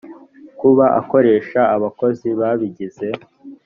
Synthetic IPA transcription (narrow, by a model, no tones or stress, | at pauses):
kuβaʔa̰ko̞ɾe̞ːʃaːβako̞ziβaβiɟize̞